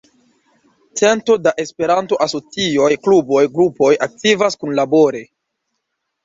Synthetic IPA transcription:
t͡se̞nto̞daʔe̞spe̞ɾanto̞ʔaso̞t͡sio̞jklubo̞jɡɾupo̞jak̚tivaskunlabo̞ɾe̞

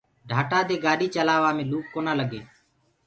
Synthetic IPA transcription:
ɖʱaːʈaːd̪eːɡaːɖiːt͡ʃəlaːʋaːmẽːluːk̚koːnaːləɡeː

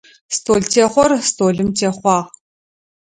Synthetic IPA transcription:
stʰoːɮtʰeːχʷɔrstʰoːɮɨmtʰeːχʷɑːʁ

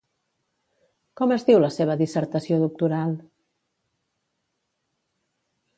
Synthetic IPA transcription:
kɔməzðiwləseβ̞əðisəɾt̪əsioðuk̚t̪uɾalˠ

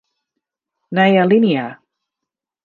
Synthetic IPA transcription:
najalɪnja

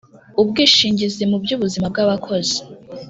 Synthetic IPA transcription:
ubɡiːʃiːɲɟizemubɟuːβuzimab̚ɡaβakʰo̞zi̥

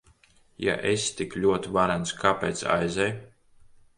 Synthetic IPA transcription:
ja̰ʔest̪iklʲuɔt̪ivaɾanskʰaːpʲeːt̪sa̰jzɛj

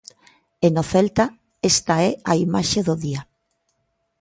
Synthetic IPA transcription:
enoθelt̪a | est̪aɛaimaʃeðoðia

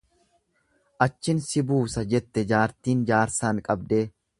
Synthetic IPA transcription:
ʔɐt͡ʃːɪnsɪbuːsɐd͡ʒɛt̪ːɛd͡ʒaːɾt̪iːnd͡ʒaːɾsaːŋkʼɐbd̪eː

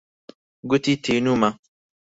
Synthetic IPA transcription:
ɡutitʰenũmã

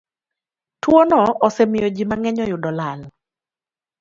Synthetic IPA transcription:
twonɔɔsɛmɪjod͡ʒimaŋɛɲɔjʊdɔlal

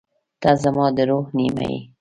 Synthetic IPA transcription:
t̪ɑzamɑd̪əɾohnima̰jḭ

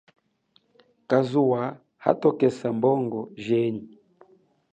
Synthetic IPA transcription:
kazuwa | ha̰tɔkɛsambɔŋɡɔʒɛɲi

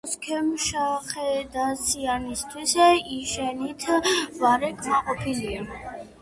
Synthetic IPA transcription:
skʰɛmʃaχɛd̪asianist̪ʰwisɛiʃɛnit̪ʰvaɾɛkʰmaqʼɔpʰilia

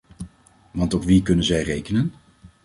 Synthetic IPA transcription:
ʋɑntopʋikɵnənzɛjrejkənən

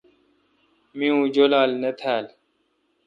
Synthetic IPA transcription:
mĩũːd͡ʑolaːlnɐt̪ʰaːl

